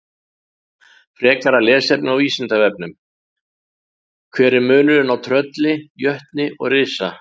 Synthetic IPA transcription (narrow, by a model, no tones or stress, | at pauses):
fɾɛːkaɾalɛːsɛp̚nɪawiːsɪnt̪avɛp̚nʏm | kʰvɛːɾɪɾmʏːnʏɾɪnawt̪ʰɾœt̪lɪjœht̪nɪʔɔ̰ɣrɪːsa